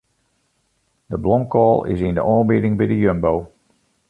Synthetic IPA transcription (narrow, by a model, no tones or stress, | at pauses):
d̥əblɔmkɔːlˠɪ̰sɪndəʔɔːbɪdɪŋbɛjdəjømbow